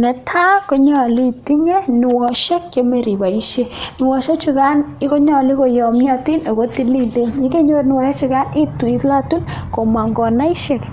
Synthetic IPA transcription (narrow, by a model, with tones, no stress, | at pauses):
nɛ˨tʰa˦ko˦ɲɔ˨li˦ti˦ŋɛ˦ni˨wɔ˨ʃe˦kt͡ʃe˨me˨ɾi˨ba˨i˦ʃe˦ni˨wɔ˨ʃe˦t͡ʃu˧ka˦ni˦ko˦ɲɔ˨li˦ko˨jɔ˨mjɔ˧ti˦no˨ko˦ti˦li˦˨le˦ɲɲe˦ke˦ɲo˦rni˨wɔ˨ʃe˦t͡ʃu˧ka˦ni˦tu˨i˦tla˦tu˦n | ko˨ma˨ŋɡɔ˨na˦i˦ʃe˦˨k